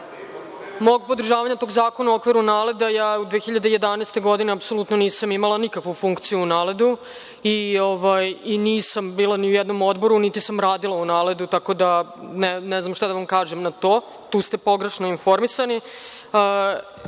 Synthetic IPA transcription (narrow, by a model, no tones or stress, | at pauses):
moɡ̚po̞d̪r̩ʒaːʋaɲat̪oɡzaːko̞nauokʋiɾuunaːle̞d̪ajaːud̪ʋexiʎad̪eje̞d̪aneːst̪e̞ɡo̞d̪ineapso̞lˠut̪no̞niːsamimalˠanikakʋufuŋkt̪sijuunaːled̪u | ioʋajiniːsambiːlˠaniujɛd̪no̞mo̞d̪bo̞ɾunit̪isamɾaːd̪ilˠaunaːle̞d̪ut̪ako̞d̪anenɛznamʃt̪ad̪ɐʋamkaːʒemnat̪o̞ː | t̪uːst̪e̞po̞ɡɾeʃnoinfo̞ɾmisani | ə